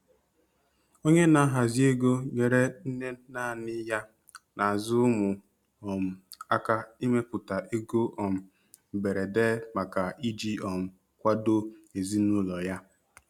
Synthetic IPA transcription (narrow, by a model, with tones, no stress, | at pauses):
o˦ɲe˦na˦ɦa˨zi˦e˦ɡo˦ɲe˨ɾe˦n̩˦ne˦na˦˨nɪ˦ja˦ | na˨a˨zʊ˦mʊ˨ | ɔ˨m̩˨a˦ka˦i˦me˦pʊ˨ta˨ʔe˦ɡo˦ʔɔ˨m̩˨ | be˨ɾe˨de˦ma˨ka˨i˦d͡ʒi˦ɔ˨m̩˨ | kʷa˦do˦e˨zi˦nu˦lɔ˨ja˦